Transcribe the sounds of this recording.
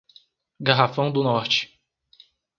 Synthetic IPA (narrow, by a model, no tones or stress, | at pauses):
ɡaɦafɐ̃w̃d̪ʊnɔɾt͡ʃɪ̥